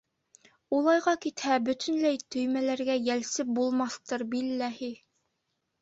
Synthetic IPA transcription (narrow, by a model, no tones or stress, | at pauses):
ulˠɑjʁɑkit̪hæbɵ̆t̪ʰɵ̆nlæjt̪ɵ̆jmælæɾɡæjælsɘp̚bulˠmɑθt̪ɤɾbilːæhi